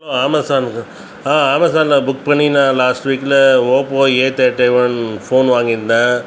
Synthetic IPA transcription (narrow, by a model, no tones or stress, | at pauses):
oaːmɐsaːn | aːaːmɐsaːnlɐbʊkːpɐɳːinãːlaːsʈʋiːklɐoːpoːeːt̪eʈːeɪʋɐnfoːnʋaːŋɡɪɾɯnd̪ãː